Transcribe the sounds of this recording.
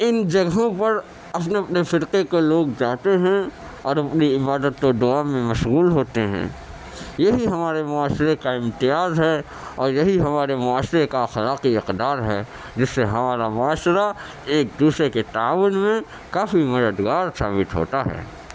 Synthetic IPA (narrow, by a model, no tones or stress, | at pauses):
ɪnd͡ʒɐɡɦõpɐɾ | ɐpneɐpnefɪɾqekoloːɡd͡ʒaːt̪eɦɛ̃ | ɔːɾɐpniɪbaːd̪ət̪kod̪ʊaːmẽmɐʃɣuːlɦoːt̪eɦɛ̰̃ː | jɐɦiɦɐmaːɾemʊaːʃɾekaɪ̃mt̪ɪjaːzɦɛː | ɔːɾjɐɦiɦɐmaːɾemʊaːʃɾekaxɐlaːqiɪqd̪aːɾɦɛ̰ː | d͡ʒɪsːeɦɐmaːɾamʊaːʃɾa | eːk̚d̪uːsɾeket̪aːʋʊnmẽ | kaːfimɐd̪əd̪ɡaːɾsa̰ːbɪt̪ɦo̰ːt̪aɦɛ̰ː